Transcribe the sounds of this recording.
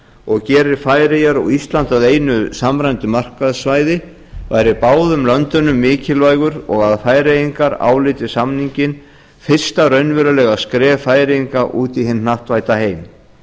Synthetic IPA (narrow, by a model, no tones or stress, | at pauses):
ɔɣcɛːɾɪɾfaːjɾɪjaɾɔwist̪lant̪aðeːjnʏsamɾajnt̪ʏmar̥kaðsvajðɪ | vajɾɪpaːwðʏmlœnt̪ʏnʏmːɪːcɪlvaːjɣʏɾɔ̰ɣaðfaːjɾejiŋkaɾa̰ːwlɪːt̪ɪ̥samniɲcɪn | fɪr̥st̪aɾœɥnvɛɾʏlɛːɣaskɾɛːfaːjɾɪjiŋkaʔuːt̪ihɪnnaht̪vaːjt̪aheːjm